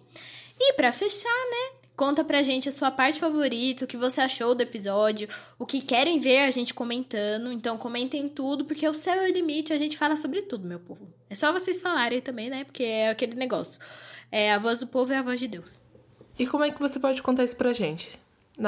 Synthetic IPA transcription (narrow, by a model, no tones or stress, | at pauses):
ɪpɾɐfeʃanɛ | kõnt̪ɐpɾɐʒẽnt͡ʃɪɐsuɐpaɾt͡ʃɪ̥favoɾit̪ɐʊkɪvoseaʃowd̪ʊepizɔd͡ʒjʊ | ʊkɪkɛɾẽj̃veɾaʒẽnt͡ʃɪ̥kõmẽnt̪ɐ̃d̪ʊẽnt̪ɐ̃w̃kõmẽnt̪ẽj̃t̪ud̪ʊpoɾkeʊsɛwɛlimit͡ʃɪaʒẽnt͡ʃɪ̥falɐsobɾɪt̪ud̪ʊmewpovʊ | ɛsɔvosesfalaɾẽj̃t̪ɐ̃mbẽj̃nɛpoɾkeɛakelɪneɡɔsjʊ̥ɛavɔzd̪ʊpovʊɛavɔzd͡ʒɪd̪ews | ɪkõmʊɛkɪvosepɔd͡ʒɪkõnt̪aɾisʊ̥pɾaʒẽnt͡ʃɪ̥ | n